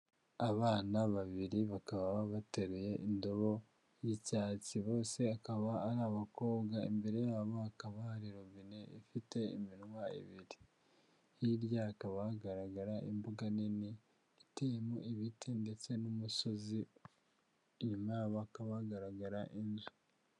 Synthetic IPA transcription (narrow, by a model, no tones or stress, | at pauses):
aβaːnaβaβiɾiβakaβaβaβate̞ɾuje̞ʔindo̞βo̞ | jicaːt͡siβo̞ːse̞akaβaːɾaːβako̞ːβɡaḭmbe̞ɾe̞jaββakaβaaɾiɾoβineḭfite̞ḭminwaḭβiɾi | hiɾjakaβaɡaɾaɡaɾaʔimbuɡanini | itejemoʔiβitʰende̞t͡se̞numuso̞zi | ɲumaaβakaβaɡaɾaɡaɾaʔinzu